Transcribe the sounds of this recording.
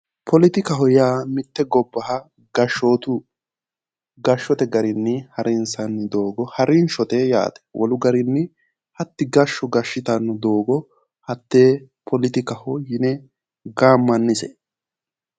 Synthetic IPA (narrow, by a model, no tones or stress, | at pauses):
pʰɔlɪt̪ɪkɐɦɔjaːmɪt̪ːɛɡɔbːɐhɐ | ɡ̥ɐʃːoːt̪ʊ | ɡɐʃːɔt̪ɛɡɐɾɪnːɪhɐɾɪnsɐnːɪd̪o̞ːɡɔhɐɾɪnʃɔt̪ɛja̰ːt̪ɛ̥wʔɔ̰lʊɡɐɾɪnːɪ | hɐt̪ːɪɡɐʃːɔɡɐʃːɪt̪ɐnːʊd̪oːɡɔ | hɐt̪ːeːpʰɔlɪt̪ɪkɐhɔjɪnɛ | ɡaːmːɐnːɪsɛ